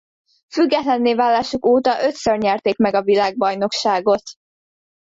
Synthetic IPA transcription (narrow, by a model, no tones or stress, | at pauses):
fyɡːɛt̪lɛnːeːvaːlːaːʃukoːt̪ɒʔø̞t̪sørɲɛrt̪eːkmɛɡɒvilaːɡ̚bɒjno̞kʃaːɡo̞t̪